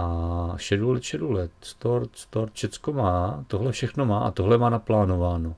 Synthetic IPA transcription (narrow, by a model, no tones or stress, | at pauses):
ʔaʃɛdulɛt̪ʃɛdulɛt̪st̪oɾt̪st̪oɾt̪ʃɛt͡skomaːt̪oɦlɛfʃɛxnomaːʔa̰t̪oɦlɛmaːnaplaːnovaːno